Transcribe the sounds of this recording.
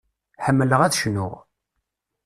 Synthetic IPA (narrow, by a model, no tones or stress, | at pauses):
ħəmːələʁæθʃnʊ̰ʁ